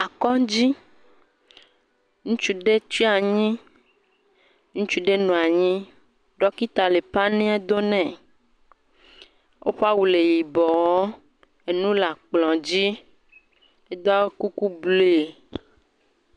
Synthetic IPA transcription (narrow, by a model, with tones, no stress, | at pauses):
a˨kɔ˦d͡ʑi˦ | ŋũ˦t͡ʃu˦ɖe˦t͡ʃi˦a˨ɲĩ˦ | ŋũ˦t͡ʃu˦ɖe˦nũ˨a˨ɲĩ˦ | ɖɔ˦ki˦t̪a˨le˨pa˦nẽ˦a˦d̪o˦nɛ̃˨ | ʔo˦ɸa˦wu˨le˨ji˨bɔ˨wɔ˦ | e˨nũ˦la˨k͡plɔ̃˨d͡ʑi˦ | e˦d̪ɔ˦a˦wo˦ku˦ku˦ble˦˨